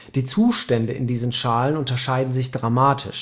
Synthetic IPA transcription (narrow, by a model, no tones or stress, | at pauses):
d̥iːt͡suːʃtɛndəɪ̰ndiːzən̩ʃaːlənʊntɐʃaɪdn̩zɪçd̥ʁamaːtʰɪ̰ʃ